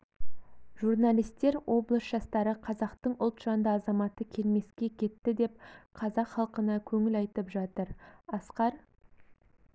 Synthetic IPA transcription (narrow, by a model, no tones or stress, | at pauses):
ʒurnalʲijst̪e̞ɾwo̞blˠəsʒɑst̪ɑɾəqʰɑzɑqt̪əɴʊlˠt̪ʒ̥ɑnd̪əɑzɑmɑt̪əkʲʰe̞lme̞skʲe̞kʲʰe̞t̪ːɪd̪e̞p̚qʰɑzɑqχɑlˠqənɑkʲʰɵŋɪlɑjt̪əpʒɑt̪əɾɑsqɑɾ